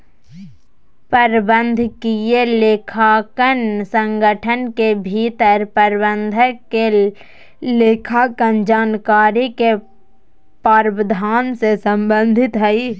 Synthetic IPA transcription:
pəɾbə̃nd̪ʱkijeleːkʰakənsə̃ŋɡʱəʈʰənkebʱiːt̪əɾpəɾbənd̪ʱke | leːkʰakənd͡ʒaːnkaːɾike | paːɾbəd̪ʱaːnsesə̃mbə̃nd̪ʱɪt̪ɦəi

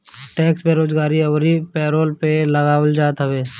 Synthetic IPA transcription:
ʈɛːksbeɾoːd͡ʒɡaːɾiɐwɾipɛːɾoːlpelɐɡaːwəld͡ʒaːt̪ɦɐʋeː

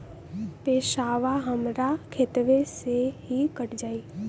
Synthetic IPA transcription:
peːʃaːʋaɦəmɾakʰeːt̪ʋeseɦikəʈd͡ʒaːiː

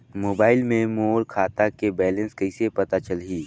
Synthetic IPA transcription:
moːbaːɪlmẽmoːlkʰaːt̪akebɛːlə̃nskɐɪsepɐt̪at͡ʃəlɦiː

